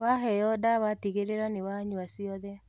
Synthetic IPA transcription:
waɦɛɾɔdawatiɣeɾeɾanewaɲuasiɔðɛ

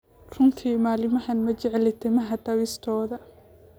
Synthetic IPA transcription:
r̥ʊnt̪ʰiːmaːlɪmɐhɐnmɐt͡ʃɛʕɛlɪt̪ʰɛmɐɦɐt̪ʰɐwist̪ʰɔːðɐ

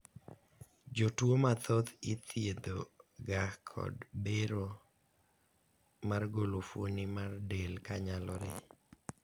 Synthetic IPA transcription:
d͡ʒotwomat̪ʰot̪ɪt̪ʰied̪oɡakʰɔ̰dbeɾo | marɡolofonimardelkaɲalɔɾɪ̰

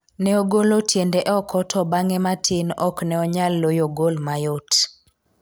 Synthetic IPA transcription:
nɛoɡolotʰjendeʔɛɔkʰɔtʰɔbaŋɛmatʰɪnɔ̰knɛɔɲalːojoɡolmajot

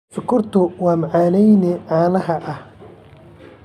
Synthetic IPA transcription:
fʊkʰʊrt̪ʰʊwɑːmɐʕaːnɛjnɪʕaːnɐɦɐʔɐh

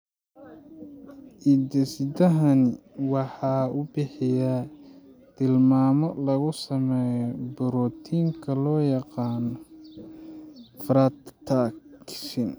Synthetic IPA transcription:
ʔɪd̪ɛsɪd̪ɐɦɐn | wɑħɑːʊbɪħɪjaː | t̪ʰɪlmaːmɔlɐɣʊsɐmɛːjɔbʊɾɔt̪ʰiːŋkʰɐlɔːjɑqɑːnɔ | fɾat̪t̪ʰakʃɪn

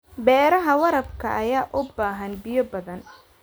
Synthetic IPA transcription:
bɛːɾɐɦɐwɐɾɐbkʰɐʔːjaːʔʊbaːɦɐnbɪjɔbɐðɐn

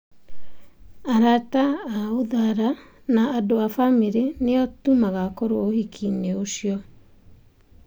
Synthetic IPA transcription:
aɾataːoðaɾa | naːdoafamiɾeneɔtumaɣakɔɾoohikʰineoʃjɔ

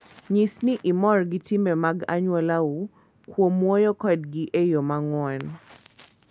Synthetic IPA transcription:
ɲisnɪʔɪmɔrɡɪtɪmɛmaɡa̰ɲwɛlau | kwomwɔjɔkɔdɡiʔejomaŋwɛn

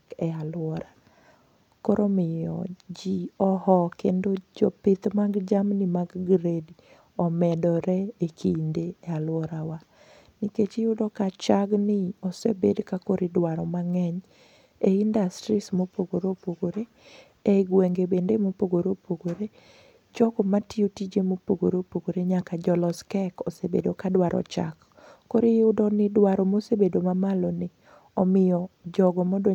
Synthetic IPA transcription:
kɛalwɔɾa | kɔɾomɪjɔ̰d͡ʒiɔhɔkendod͡ʒɔpɪt̪maɡd͡ʒamnɪmaɡɡɾedi | ɔmɛdɔɾɛekʰindeɛalwɔɾawa | niket͡ʃɪjʊdɔkat͡ʃaɡnɪɔsɛbedkakoɾɪdwaɾɔmaŋɛɲ | eindastɾismopoɡoɾopoɡoɾe | eɡweŋɡebendemopoɡoɾopoɡoɾe | d͡ʒɔɡɔmatiotid͡ʒemopoɡoɾopoɡoɾeɲakad͡ʒɔlɔskɛkɔsebḛdokadwaɾʔɔ̰t͡ʃa̰kː | oɾɪjʊdɔnɪdwaɾɔmosebedomamalɔnɪ | ɔmɪjɔd͡ʒɔɡɔmɔdo

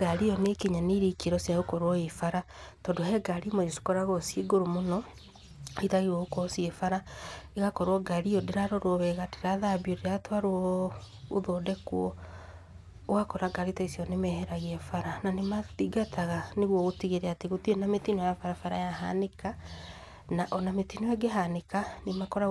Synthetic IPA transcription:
ɡ̥aɾiɔnekiɲaniɾikiɾɔsjaokɔɾwɔefaɾatɔndoɦɛɡaɾimod͡ʒosi̥kɔɾaɣɔsjeɡoɾomonɔ | itaɣiɔokɔsiefaɾaeɣakɔɾwɔɡaɾiɔdeɾaɾɔɾɔβɛɣate̥ɾaðabioɾeatwaɾoɔoðodɛkwɔ | oɣakɔɾaɡaɾitaisiɔnemɛhɛɾaɣeɛfaɾananematiɡatʰaɣaneɣwɔɣotiɣeɾɛateɣotienametinɔjafaɾafaɾajaɦa̰neka | naʔɔnametinoɛɡeɦanekanemakɔɾa

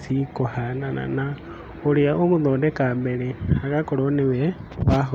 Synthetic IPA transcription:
sikohana̰na̰na | oliaʔomuðoːndekaːmbeleakakoloniweβaɦo

